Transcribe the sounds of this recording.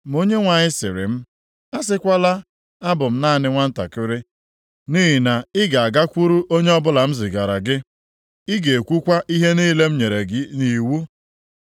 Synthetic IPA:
m˨o˦ɲe˦ŋʷa˨ɲɪ˦sɪ˨ɾɪ̰˨m̩˦ | a˦s̬ɪ˦kʷa˦la˦ | a˦bʊ˨m̩˦na˦˨nɪ˦ŋʷa˦n̩˦ta̰˨kɪ˦ɾɪ˦ | niː˦ɦi˨na˨ɪ˦ɡa˨a˨ɡa˦kʷu˦ɾu˦ʔo˦ɲe˦ɔ˦bʊ˦la˨m̩˦zɪ˨ɡa˨ɾa˨ɡɪ˦ | ɪ˦ɡe˨kʷu˦kʷa˦ʔi˦ɦe˦ni˦le˦m̩˦ɲe˨ɾe˨˦ni˨wu˦

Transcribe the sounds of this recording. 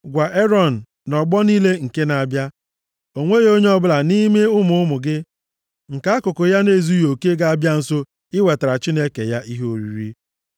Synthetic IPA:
ɡʷa˨ʔe˦ɾɔ˦˨n̩˨ | nɔ˨ɡ͡bɔ˦ni˦le˦ŋ̩˨ke˦na˨bja˦ | o˨ŋʷe˦ɣo˦ɲe˦ɔ˦bʊ˦la˨ni˦me˦ʊ˦mʊ˦ʊ˦mʊ˨ɡɪ˦ | ŋ̩˨ka˨˦kʊ˨kʊ˨ja˦ne˦˨zu˦jo˨ke˦ɡa˦a˦bja˦n̩˨so˦ | ɪ˦we˨ta˨ɾa˨t͡ʃi˦ne˦ke˨ja˦ʔi˦ɦo˦˨ɾḭ˦˨ɾi˦

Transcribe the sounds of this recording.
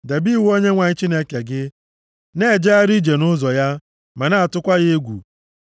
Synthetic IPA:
de˨bi˦˨wo˦ɲe˦ŋʷa˨ɲɪ˦t͡ʃi˦ne˦ke˨ɡɪ˦ | ne˦˨d͡ʒe˦a˦ɾi˦d͡ʒe˨nʊ˦zɔ˨ja˦ | ma˨na˦a˨tʊ˦kʷa˦ɣe˦e˦ɡʷṵ˨

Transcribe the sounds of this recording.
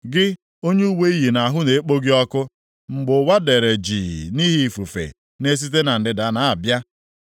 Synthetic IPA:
ɡɪ˦ | o˦ɲe˦u˦we˦i˦ɦi˨na˨ɦʊ˦ne˨˦k͡po˦ɡi˦ɔ˦kʊ˦ | ŋ͡m̩˨ɡ͡bʊ˨˦wa˦de˨ɾe˨d͡ʒḭ˨ni˦ɦi˦˨fu˨fḛ˨ | ne˦s̬i˦t̬e˦na˨n̩˨dɪ˨da˨˦na˨a˨bja˦

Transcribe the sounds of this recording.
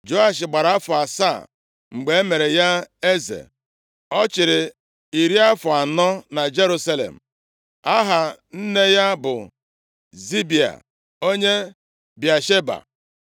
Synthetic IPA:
d͡ʒo˦a˦ʃɪ˨ɡ͡ba˨ɾa˨a˦fʊ˨a˨sa̰˦˨ | ŋ͡m̩˨ɡ͡be˨˦e˦me˨ɾe˨ja˦e˦zḛ˨ | ɔ˦t͡ʃɪ˨ɾɪ˨ | i˨ɾi˦a˦fʊ˨a˨nɔ˦na˨d͡ʒe˦ɾu˦sa˦lḛ˨m̩˨ | a˦ɦa˨n̩˦ne˦ja˦bʊ̰˨ | zi˦bi˨a̰˨ | o˦ɲe˦ | bja˨ʃe˦ba̰˨

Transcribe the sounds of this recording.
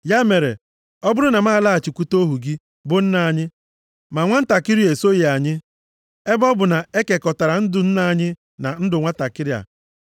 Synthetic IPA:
ja˦me˨ɾe˨ | ɔ˦bʊ˦ɾʊ˦na˨ma˦˨la˦a˨t͡ʃi˨kʷu˦to˦ɦu˨ɡi˦ | bʊ˦n̩˦na˨ɲɪ˦ | ma˨ŋʷa˦n̩˦ta˨kɪ˦ɾi˦e˨so˦je˨a˨ɲɪ˦ | e˦bɔ˦bʊ˨na˨e˦ke˨kɔ˨ta˨ɾa˨n̩˦dʊ˨n̩˦na˨ɲɪ˦ | na˨n̩˦dʊ˨ŋʷa˦ta˨kɪ˦ɾja̰˨

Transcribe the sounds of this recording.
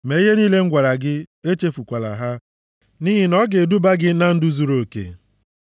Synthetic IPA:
me˨˦i˦ɦe˦niː˦le˦ŋ̩˦ɡʷa˨ɾa˨ɡɪ˦e˦t͡ʃe˦fu˨kʷa˨la̰˨ɦa˦ | ni˦ɦɪ˦nɔ˦ɡe˨du˦ba˦ɡɪ˦na˦n̩˦du˦zu˨ɾo˨kḛ˨

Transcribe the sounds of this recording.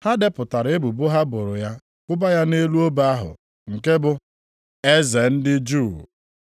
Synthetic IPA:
ha˦dɪ˦pʊ˨ta˨ɾe˦bu˨bʊ˦ɦa˦bʊ˨ɾʊ˨ja˦ | kʷʊ˦ba˦ja˦ne˦lu˦o˦ba˦a˦ɦʊ̰˨ | ŋ̩˨ke˦bʊ˦ | e˦ze˨n̩˦dɪ˦d͡ʒu˦˨

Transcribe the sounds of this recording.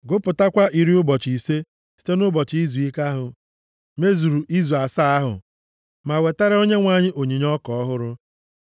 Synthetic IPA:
ɡʊ˦pʊ˨ta˦kʷa˦ʔi˨ɾi˦ʊ˦bɔ˨t͡ʃi˨se˦ | si̥˦te˦nʊ˦bɔ˨t͡ʃi˦zu˨i˦ka˦ɦʊ˨ | me˦zu˨ɾu˨i˦zu˨a˨sa˦a˦ɦʊ̰˨ | ma˨we˨ta˦ɾa˦o˦ɲe˦ŋʷa˨ɲɪ˦ʔo˨ɲi˨ɲ˦ɔ˦kɔ˨ɔ˦ɦʊ˦ɾʊ˦

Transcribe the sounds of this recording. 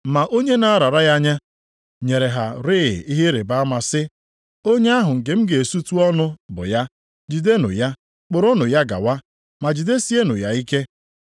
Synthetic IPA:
ma˨ʔo˦ɲe˦na˦a˦ɾa˨ɾa˦ja˦ɲa˦ | ɲe˨ɾe˨ɦa˨ɾɪ̰˦˨i˦ɦɪ˦ɾe˨ba˦a˦ma˨sɪ˦ | o˦ɲe˦a˦ɦʊ˨ŋ̩˨ke˨m̩˦ɡe˨su˦tu˦ɔ˦nʊ˦bʊ̰˨ja˦ | d͡ʒi˨de˦nʊ̰˨ja˦ | k͡pʊ˨ɾʊ˦nʊ˨ja˦ɡa̰˨wa˦ | ma˨d͡ʒi˨de˦si˦e˦nʊ˨ja˦i˦ke˦

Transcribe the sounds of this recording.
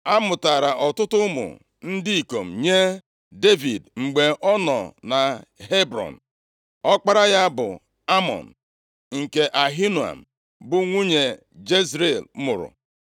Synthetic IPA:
a˦mʊ˨ta˨ɾa˨ʔɔ˨tʊ˦tʊ˦mʊ̰˨ | n̩˦dɪ˦i˨ko̰˨m̩˨ɲe˦ | de˦vi˨dŋ͡m̩˨ɡ͡be˨ʔɔ˦nɔ̰˨na˨ɦe˦bɾɔ̰˨n̩˨ | ɔ˦k͡pa˦ɾa˦ja˦bʊ˨ | a˦mɔ̰˨n̩˨ | ŋ̩˨ke˨ʔa˨ɦi˦nu˨a̰˨m̩˨ | bʊ˦ŋʷu˦ɲe˨ | d͡ʒe˦zɾe˨lmʊ˨ɾʊ̰˨

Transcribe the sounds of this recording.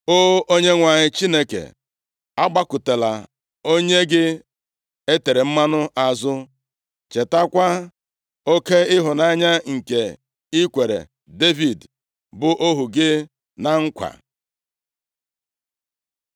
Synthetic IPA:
o˦ʔo˦ɲe˦ŋʷa˨ɲɪ˦t͡ʃi˦ne˦kḛ˨ | a˦ɡ͡ba˦kʊ˨te˨la̰˨ | o˦ɲe˦ɡɪ˦ | e˦te˨ɾe˨m̩˦ma˦nʊ˦ʔa˨zʊ˦ | t͡ʃe˨ta˦kʷa˦ | o˦ke˦ɪ˦ɦʊ˨na˦ɲa˦ŋ̩˨ke˨ | i˦kʷe˨ɾḛ˨ | de˦vi˨d | bʊ˨ʔo˦ɦu˨ɡɪ˦ | na˨ŋ̩˦kʷa̰˨

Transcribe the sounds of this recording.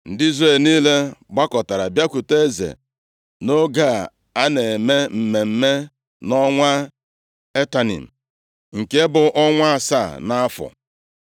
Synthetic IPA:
n̩˨dɪ˦i˦zre˨lniː˦le˦ɡ͡ba˦kɔ˨ta˨ɾa˨bja˦kʷu˨te˦zḛ˨ | no˦ɡa˦˨ | a˦ne˨me˦m̩˨me˨m̩˨me˦ | nɔ˦ŋʷa˦ | e˦ta˨nḭ˨m̩˨ | ŋ̩˨ke˦bʊ˨ʔɔ˦ŋʷa˦˨sa̰˦˨na˦fʊ̰˨

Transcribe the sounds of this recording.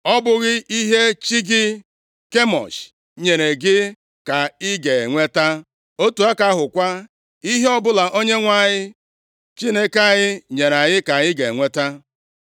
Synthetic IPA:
ɔ˦bʊ˦ɣɪ˦ʔi˦ɦe˦t͡ʃi˦ɡɪ˦ | ke˦mɔ̰˨s | ɲe˨ɾe˨ɡɪ˦ | ka˨ɪ˦ɡe˨ŋʷe˦ta˦ | o˦tu˨a˦ka˦ɦʊ˨kʷa˦ | i˦ɦe˦ɔ˦bʊ˦la˨ʔo˦ɲe˦ŋʷa˦˨ɲɪ˦ | t͡ʃi˦ne˦ka˦ɲɪ˦ɲe˨ɾa˨ɲɪ˦ka˨ɪ˦ɡe˨ŋʷe˦ta˦

